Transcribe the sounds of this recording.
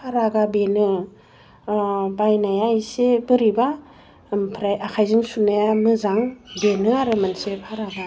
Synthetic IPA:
pʰaɾaɡabenɯ | bajnajajsebɯɾiba | pʰɾajakʰajziŋsunajamɯzaŋbenɯaɾɯmansepʰaɾaɡa

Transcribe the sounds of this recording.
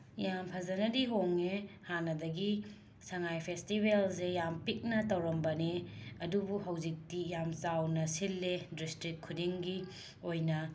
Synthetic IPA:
jampʰɐzɐnɐdiɦoŋehanːɐdɐɡi | sɐŋajpʰestibelsejampik̚nɐtɐwɾɐmbɐneɐdubuɦɐwzik̚tijamt͡ʃawnɐsilːedistɾikʰːudiŋɡi | ojnɐ

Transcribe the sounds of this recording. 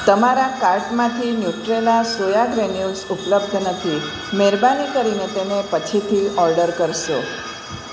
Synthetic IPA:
t̪əmaɾakaɾʈmãt̪ʰinjuʈɾelasojaɡɾenjulsupləbd̪ʱnət̪ʰi | meɾbanikəɾinet̪enepət͡ʃʰit̪ʰiɔɾɖəɾkəɾʃo

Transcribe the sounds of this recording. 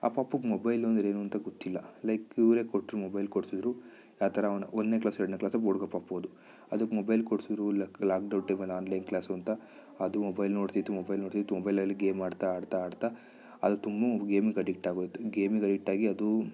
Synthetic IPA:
a̰ːpaːpːɐkmɔbɐjlond̪ɾe̞ːnuːɐnt̪ɐɡot̪ːilːɐlɐjkiʋɾeːkoʈːɾumɔbɐjlkoɽsid̪ɾu | jaːt̪ʰɐɾɐnɔnd̪neklaːseɾɐɽɳneklaːsɐoɽuɡɐpaːpːoːd̪u | ɐd̪ɐkːmɔbɐjlkoɽsid̪ɾulklaːk̚ɖɐwɳʈeːmɐlaːnlɐjnklaːsɐnt̪ɐ | ɐd̪umɔbɐjlnoːɖt̪it̪ːumɔbɐjlnoːɽt̪it̪umɔbɐjlɐlːiɡeːmːaːɖt̪aːɽt̪aːɖt̪a | ɐd̪ut̪umbɐɡeːmiɡɐɖikʈaːɡot̪ːuɡeːmiɡɐɖik̚ʈaːɡiɐd̪u

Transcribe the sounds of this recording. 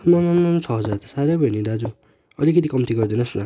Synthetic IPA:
mamanmant͡sʰʌɦʌd͡zaet̪ḁsaɾʌbʱʌjnid̪ad͡zu | ʌlikʌt̪ikʌmt̪ʰiɡʌrd̪inʌsna

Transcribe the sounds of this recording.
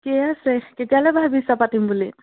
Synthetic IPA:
kɛasɛketialɛbʱaɦbisapatimbuli

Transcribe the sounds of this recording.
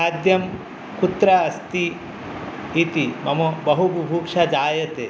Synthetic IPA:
aːd̪ʱjɐm | kut̪ɾɐɐst̪i | it̪imɐmobɐɦubʱubʱuːkʂad͡ʒaːjɐt̪e

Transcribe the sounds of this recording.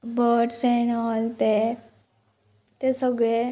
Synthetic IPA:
bʱəʈsenɔlt̪e | t̪esəɡɭe

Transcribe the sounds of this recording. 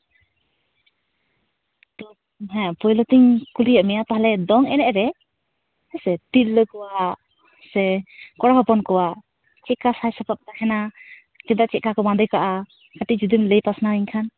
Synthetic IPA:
t̪ɔ | ɦɛ̃pɔjlɔt̪iŋkulijaʔmɛjat̪aɦalɛd̪ɔŋɛnɛʔɾɛ | hɛsɛtiɾləkɔwa | sɛkɔɽaɦɔpɔnkɔwa | t͡ʃɛʔkasajsapap̚t̪ahɛna | kɛd̪aʔt͡ʃɛʔkakɔmãnd̪əjkaʔa | kat̪iʔd͡ʒud̪imləjpasnaiŋkʰan

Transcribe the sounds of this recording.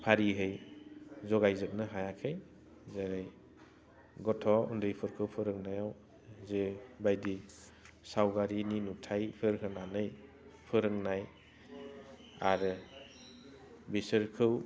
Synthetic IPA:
pʰaɾiɦɯj | zɔɡajzɯp̚nɯɦajakʰɯj | zaɾaj | ɡɔtʰɔṵndɾɯjpʰɯɾkʰɯwpʰɯɾɯŋnajaw | zebajdi | sawɡaɾininutʰajpʰɯɾɦʰɯnanɯj | pʰɯɾɯŋnaj | aɾɯ | bisɯɾkʰɯw

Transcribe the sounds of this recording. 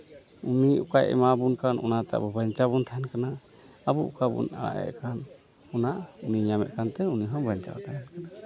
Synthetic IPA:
uniukajʔɛ̰mabunkanʔɔnat̪a̰ʔbɔbaɲt͡ʃabunt̪ʰaɦɛnkana | abuʔṵkabṵna̰ɽa̰ʔɛ̰ʔkan | ɔnaʔuniɲamɛ̰ʔ̪̚kant̪ɛuniɦɔ̃baɲt͡ʃa̰wa̰t̪ʰaɦɛnkana

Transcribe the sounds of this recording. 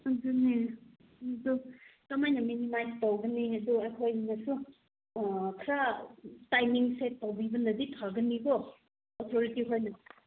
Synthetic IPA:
d͡ʒune | dukɐmajnɐminimajstawɡɐniɐduɐjkʰojnɐsu | kʰɾatajmiŋsetawbibɐnɐditʰaɡɐniɡɔ | otʰoɾitiɦojnɐ

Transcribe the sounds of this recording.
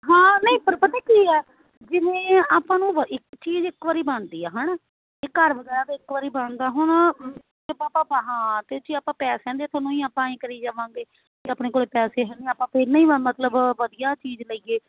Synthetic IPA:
ɦãːnəĩːpəɾpət̪ãːkiːɛː | d͡ʒɪnẽːaːpãːnũːʋəɪkt͡ʃiːd͡ʒɪkʋaːɾiːbəɳd̪iːɛːɦɛ̃ːnaː | ɪkːəɾʋəɡɛːɾaːd̪ɪkʋaːɾiːbəɳd̪aːɦʊɳ | ebaːpãːbaɦãːt̪eːt͡ʃiaːpãːpɛːsɛ̃ːnd̪eːt̪ʰonõːĩːaːpãːĩːkəɾiːd͡ʒaːʋãːŋɡeː | t̪eːaːpneːkoːɽeːpɛːseːɦɛ̃ːneːaːpãːpʰɪɾnəĩːəmət̪ləbʋəd̪ijaːt͡ʃiːd͡ʒləiːeː

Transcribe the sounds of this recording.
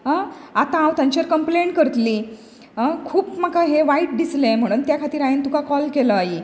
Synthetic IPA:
ɦãat̪ããwt̪ãɲt͡ɕəɾkəmpleɳʈkəɾt̪liː | ɦãkʰuːpmakaɦeʋaiʈ̚dislẽm̤əɽ̃uːnt̪jakʰat̪iːɾajent̪ukakɔlkeləaɦiː

